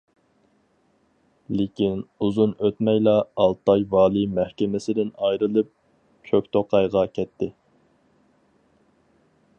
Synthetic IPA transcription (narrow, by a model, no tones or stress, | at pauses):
lɪkʲinuzunøt̪mɛjlˠɑːlˠt̪ɑjvɑːlˠɨmæhkʲɪmɪsɪd̪ɪnɑjɾɨlˠɨp̚ | t͡ʃʲʰøkʲt̪ʰoqʰɑjʁɑkʲʰɛt̪ʰːɪ